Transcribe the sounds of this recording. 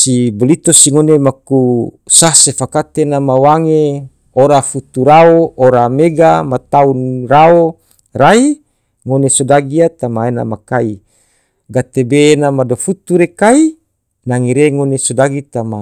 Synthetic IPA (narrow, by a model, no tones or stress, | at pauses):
sibolit̪osiŋonemaku | sasefakat̪enamawaŋe | oɾafut̪uɾaooɾameɡamat̪aunrao | ɾai | ŋonesodaɡiat̪amaena̰makai | ɡat̪ebeːnamadofut̪uɾekai | naŋiɾeŋonesodaɡit̪ama